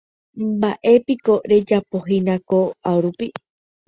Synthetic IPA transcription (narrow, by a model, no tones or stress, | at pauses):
baʔe̞piko̞ɾe̞d͡ʒapoɦĩnãkoawɾupi